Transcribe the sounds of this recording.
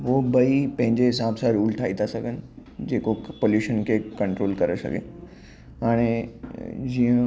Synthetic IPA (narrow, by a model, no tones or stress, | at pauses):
ʋobɐipɐ̃ɦɪ̃ɲd͡ʑeɦɪsaːbsãɾuːlʈ̪ʰaːit̪ʰasɐɡʱənɪ̆d͡ʑeːkopoːljuːʃənkʰekɐ̃ɳʈɾoːlkɐɾesɐ̰ɡʱḛ | ɦaːɽ̃e | d͡ʑiːə̃